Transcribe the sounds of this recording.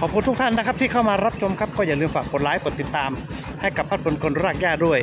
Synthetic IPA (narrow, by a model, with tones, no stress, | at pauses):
kʰɔː˨˩p̚ʰuː˧˩t̪ʰu˥kt̪ʰa˥˩nːa˦˥kʰa˦˥p̚t̪ʰiː˥˩a˥˩wmaː˧ɾa˦˥p̚t͡ɕʰo˧mkʰa˦˥p̚kɔː˥˩jaː˨˩lɯː˧mfaː˨˩k̚ːo˨˩laː˨˦jpʰu˨˩˦t̪i˨˩t̪ːaː˧m | ha˥˩jka˨˩pʰːa˦˥t̪̚bʰo˧nkʰo˧nɾaː˧˥˩k̚jaː˥˩du˥˩əj